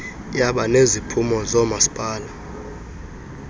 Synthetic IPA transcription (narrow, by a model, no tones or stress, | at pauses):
jaɓanezipʰumɔzɔmasi̥pʼaːla